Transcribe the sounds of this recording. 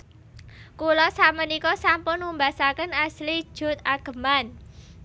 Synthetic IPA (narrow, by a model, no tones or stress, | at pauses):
kulɔsamənikɔsampʊnumbasakənaslid̥ʒ̥ʊ̤t̪̚aɡ̥ə̤man